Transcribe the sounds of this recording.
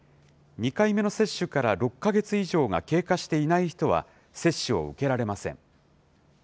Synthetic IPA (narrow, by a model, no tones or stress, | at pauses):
ɲ̟ikaime̞no̞se̞ɕːɨkaɾaɾo̞kːaɡe̞t͡sɨiʑo̞ːŋa̰ke̞ːkaɕi̥t̪e̞inaiçi̥t̪o̞βa̰ | se̞ɕːɨo̞̰ɯ̟̰ke̞ɾaɾe̞masẽ̞̰ŋ